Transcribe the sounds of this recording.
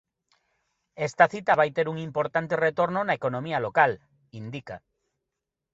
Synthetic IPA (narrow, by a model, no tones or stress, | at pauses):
est̪ɐθit̪ɐβajt̪eɾuŋimpoɾt̪ant̪eret̪oɾnʊnaekonõmiɐlokal | ind̪ika